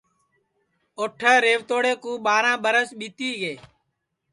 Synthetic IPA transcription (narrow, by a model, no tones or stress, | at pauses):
oːʈʰəːɾeːʋt̪oːɽeːkũːɓaːɾãːɓəɾəsɓiːt̪iːɡeː